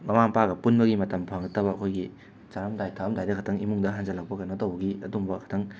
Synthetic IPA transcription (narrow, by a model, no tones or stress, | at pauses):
mɐmaŋpaɡɐpunbɐɡimɐtɐmpʰaŋɡɐtːɐbɐɐkʰojɡi | t͡ʃaɾɐmdajtʰaɐmdajdɐkʰɐtʰɐŋimuŋdɐɦand͡ʒɐlɐk̚pɐkanotɐwbɐɡiɐ̰dumbɐkʰɐ̥tʰɐŋ